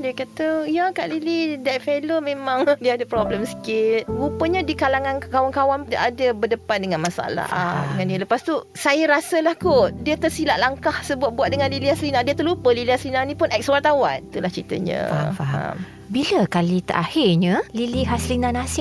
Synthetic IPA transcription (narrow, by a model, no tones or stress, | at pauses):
diəkat̪ajakaʔlilidɛt̪̚felomẽmãŋdiəadəpɾɔbləmsə̥kɪt̪̚ɡupəɲadikalaŋãnkawankawandaʔadəbərdəpandəŋanmasa̰la̰dəŋãndiələpast̪u | sajəɾasəlahkodiət̪ərsilaʔlaŋkahsəbuat̪̚buat̪̚dəŋanlilihaslinandiət̪ulupəlilihaslinanĩpʊnɛk̚sowat̪awant̪ulaht͡ʃit̪ə̰ɲə̰̃faa̰m | biləkalit̪ə̰ɾʔahɪrɲəliliɦaslinãnasɪ